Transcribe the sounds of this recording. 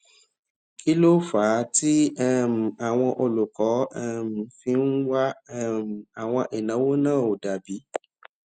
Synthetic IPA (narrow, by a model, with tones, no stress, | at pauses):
kʰi˦lo˦faː˨˦ti˦ɛ˦m̩˨a˨w̃ɔ̃˧ʔo˧lu˨kɔ˨˦ɛ˦m̩˨fĩ˧n̩˦wa˦˨ | a˨w̃ɔ̃˧ʔe˨nã˨˦wo˦nãː˦˨o˨da˨bi˨˦